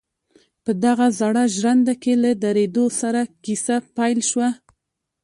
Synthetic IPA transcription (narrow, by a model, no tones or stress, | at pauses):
pəd̪aɣazaɽaʒɾand̪akelad̪aɾed̪osaɾakisapajlʃwa